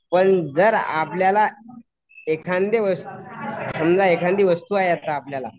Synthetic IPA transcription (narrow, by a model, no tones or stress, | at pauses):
pəɳd͡zəɾa̰pljala | ekʰãnd̪eʋəst̪usəmd͡zaekʰãnd̪eʋəst̪uːajat̪aːpljala̰